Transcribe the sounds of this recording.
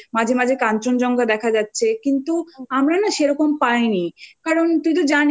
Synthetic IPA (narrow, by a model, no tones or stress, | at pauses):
mad͡ʑʱemad͡ʑʱekant͡ɕond͡ʑɔŋɡad̪ɛkʰad͡ʑatːɕʰekint̪uamɾanaʃeɾɔkompajnikaɾont̪ut̪̬od͡ʑan